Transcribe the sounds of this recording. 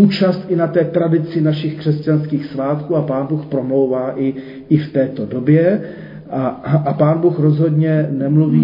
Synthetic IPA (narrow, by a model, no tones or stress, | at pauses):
uːt͡ʃast̪ʔɪnat̪ɛːt̪ɾadɪt͡sɪnaʃɪxkr̝̥ɛscanskiːxsvaːt̪kuːapaːnbuːxpɾo̞mlo̞wvaːʔɪ | ɪft̪ɛːt̪o̞do̞bjɛ | ʔaʔapaːnbuːxɾo̞zɦo̞dɲɛnɛmluviː